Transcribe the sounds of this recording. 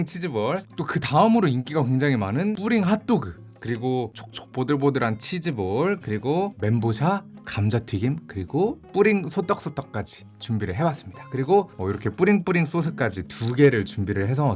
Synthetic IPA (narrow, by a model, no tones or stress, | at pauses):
ŋt͡ɕʰid͡ʑibʌɭt͈okɯtaɯmɯɾoink͈iɡakwe̞ŋd͡ʑaŋimanɯnp͈uɾiŋɦat͈oɡɯ | kɯɾiɡot͡ɕʰok̚t͡ɕ͈ʰo̥k̚p͈odɯɭbodɯɾɦant͡ɕʰid͡ʑibʌɭkɯɾiɡome̞mbod͡ʑʰakamd͡ʑatʰɥiɡimkɯɾiɡop͈uɾiŋsʰot͈ʌk̚s͈ot͈ʌk̚k͈ad͡ʑi̥ | t͡ɕumbiɾɯɭɦe̞bwas͈ɯmɲid̥ḁkɯɾiɡoʌiɾʌkʰe̞p͈uɾiŋp͈uɾiŋs͈os̬ʰɯk͈ad͡ʑitʰuɡe̞ɾɯɭt͡ɕumbiɾɯɭɦe̞sʰʌ